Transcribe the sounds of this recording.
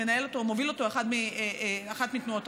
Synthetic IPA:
enae̞lot̪omo̞vilo̞t̪o̞e̞χad̪miaχat̪mit̪nuot

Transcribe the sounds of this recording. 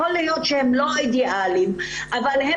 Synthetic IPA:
olejot̪ʃehemloid̪iʔalim | ʔavalhe

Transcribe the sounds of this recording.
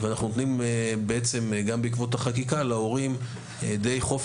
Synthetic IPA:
veanaχnunot̪nimbeet͡se̞mɡambeikvo̞thaχakikaleo̞ʁim | d̪e̞jχo̞f

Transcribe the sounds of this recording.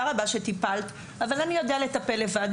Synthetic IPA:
aʁabaʃet̪ipalt̪ | avalanijo̞d̪eale̞t̪ape̞lːevad

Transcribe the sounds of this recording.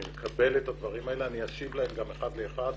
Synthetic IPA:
imekʰabe̞letad̪vaʁimaeleaniaʃivlae̞mɡameχad̪le̞ːχad

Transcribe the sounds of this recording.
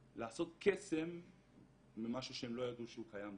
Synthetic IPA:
laːso̞t̪̚kesemː | imaʃuʃeemlo̞jad̪uʃeukajam

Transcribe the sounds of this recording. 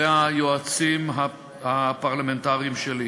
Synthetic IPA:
eajoat͡simɦa | hapaʁlamentaʁiimʃeli

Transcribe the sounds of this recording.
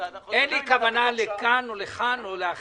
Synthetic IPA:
ʔenlikavanalekanoleχanolea

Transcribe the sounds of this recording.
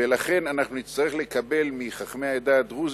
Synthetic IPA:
elaχe̞nanaχnunit͡st̪aʁeχlekabe̞lmiχaχmeaed̪aːt̪ʁuz

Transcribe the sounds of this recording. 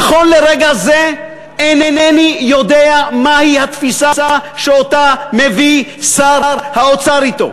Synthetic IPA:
aχo̞nleʁeɡaze | enenenijod̪eamahihat̪fisasaʃeot̪amevisaɾɾhaot͡saɾit̪o̞̰

